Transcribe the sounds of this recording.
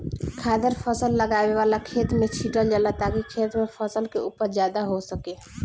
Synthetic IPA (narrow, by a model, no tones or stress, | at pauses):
kʰaːd̪əɾpʰəsəlːəɡaːweʋaːlakʰeːt̪mẽt͡ʃʰiʈəld͡ʒəlat̪aːkikʰeːt̪mẽpʰəsəlkeuːpəɾd͡ʒjaːd̪aɦosəkeː